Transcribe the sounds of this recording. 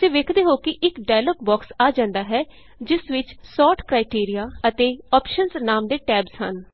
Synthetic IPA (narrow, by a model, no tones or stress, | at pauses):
t̪eːʋeːkʰd̪eːɦoːkɪʔɪkɖaːjloːk̚bɔːksaːd͡ʒãːnd̪aːɦɛː | d͡ʒɪsʋɪt͡ʃsɔːʈkɾaːɪʈiːɾijaːət̪eːɔːpʃənznaːmd̪eːʈɛːbzhə̰n